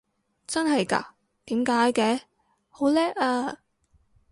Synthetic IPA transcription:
t͡sɐ˥nɦɐ˨jka̰ː˧ | t̪iː˨˥mkaː˨˥jkɛː˧˩ | ho˨˥wlɛː˥k̚aː˧

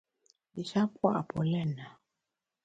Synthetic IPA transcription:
li˨ʃa˦kwa̰˦˨pɔ˨lɛ˦˨na˨

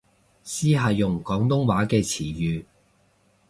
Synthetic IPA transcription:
siː˥ɦaː˨jʊ˨ŋkɔː˨˥ŋt̪ʊ˥ŋwaː˨˥kɛː˧t͡sʰiː˨˩jyː˨

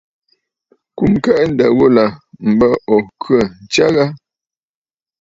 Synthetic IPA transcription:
ku˨mkɛ˦˨ʔn̩˦˨də˨ɣo˦la˨m̩˨bə˦ɔ˨kʰə˦˨n̩˨t͡ʃa˦ɣa˦

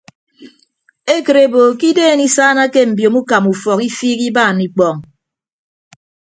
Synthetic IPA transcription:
e˦kə˨ɾe˨bo˨ki˦deː˦˨ni˦sa˦na˦ke˦m̩˨bjo˨mu˦ka˨mu˨fɔ˨ki˦fiː˦ki˦baː˦˨ni˨k͡pɔ˦˨ŋ

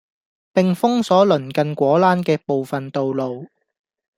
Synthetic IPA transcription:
pɪ˨ŋfʊ˥ŋsɔː˨˥lɵ˨˩nkɐ˨nkʷɔː˨˥laː˥nkɛː˧po˨wfɐ˨nt̪o˨wlo˨w

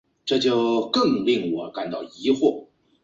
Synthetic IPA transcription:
ʈ͡ʂɤ˥˧t͡ɕjo˥˧ʊkɤ˥˧ŋli˥˩ŋwɔ˨˧˥ka̰˨˩nt̪ɑ˥˩ʊi˧˥xwɔ˥˩

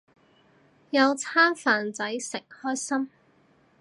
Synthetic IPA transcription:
jɐ˨˧wt͡sʰaː˥nfaː˨nt͡sɐ˨˥jsɪ˨ŋ̚hɔː˥jsɐ˥m

